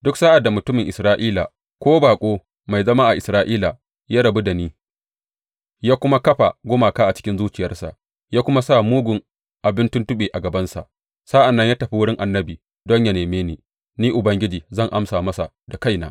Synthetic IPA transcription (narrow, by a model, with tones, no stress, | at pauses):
dʊ˦ksaː˦ʔa˨dːa˨mʊ˨tʊ˦mɪ˨ŋʔɪ˨sɾaː˦ʔiː˦la̰ː˨ | kʷoː˦baː˨kʷʼoː˦ | ma˨jzɐ˦ma˦ʔa˨ʔɪ˨sɾaː˦ʔiː˦la˨ | jaː˦ɽɐ˨bu˦da˨niː˦ | jaː˦kʷʊ˦ma˦kɐ˦ɸa˨ɡʷʊ˦maː˨kaː˦ʔa˨t͡ʃɪ̥˦kʲɪ˦nzuː˦t͡ʃɪ˨jɐ˦rsa̰˨ʔ | jaː˦kʷʊ˦ma˦sa˦˨muː˦ɡʷʊ˨ŋ | ʔa˨bɪ˦ntʊ˦ntʊ˦ɓeː˨ʔa˨ɡɐ˨bɐ˦nsa̰˨ʔ | sa˦ʔa˨nːɐ˦ɲjaː˦tɐ˨ɸi˦wʊ˦ɽɪ˦ŋʔa˨nːɐ˦biː˨ | dɔ˦ɲja˨neː˨meː˦niː˨ | niː˦ʔʊ˨bɐ˦ŋɡʲɪ˦d͡ʒiː˨zɐ˦˨ŋʔa˦msaː˨mɐ˦sa˨ | da˨ka˦jna̰ː˨˦